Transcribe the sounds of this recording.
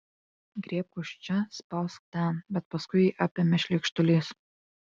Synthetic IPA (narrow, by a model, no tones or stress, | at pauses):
ɡɾʲeːp̚kʊʃʲt͡ʃʲɛspɐlˠsk̚t̪ʲænbʲɛt̪̚pɐskʊɪiʔɑːpʲemʲɛʃʲlʲiːkʃt̪ʊlʲeːs